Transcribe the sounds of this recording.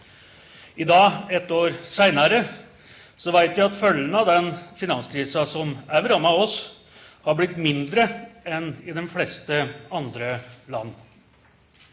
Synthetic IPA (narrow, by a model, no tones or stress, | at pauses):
ɪd̪ɑːɛt̪ːoːɾsæɪnɑɾə | sɔʋæɪt̪ʋæɪɑt̪fœlːənəɑʋd̪ɛnfɪnɑnskʰɾiːsɑsɔmæʋɾɑmɑɔs | hɑɾblɪt̪ːmɪnd̪ɾəɛnɪd̪ɛnflɛst̪əɑnd̪ɾəlɑ̰nː